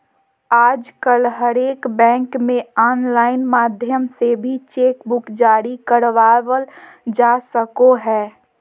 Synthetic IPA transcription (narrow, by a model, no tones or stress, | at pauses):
aːd͡ʒkəlɦəɾeːkbɛ̃ːŋkmẽɔːnlaːɪnmaːd̪ʱjəmsebʱit͡ʃeːkbʊkd͡ʒaːɾikəɾʋaːʋəl | d͡ʒaːsəkoɦɛː